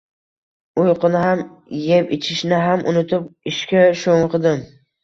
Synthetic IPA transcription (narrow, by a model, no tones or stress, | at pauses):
ʊjqʰɨnɪɦam | jepɪt͡ʃʰɪʃnɪɦamʔʊ̰nʊt̪ʰɪp̚ɪʃkʲaʃoŋqʰɨd̪ɪm